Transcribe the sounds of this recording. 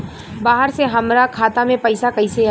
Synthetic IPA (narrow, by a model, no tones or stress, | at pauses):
baːɦəɾseɦɐmɾakʰaːt̪amẽpɐɪsakɐɪse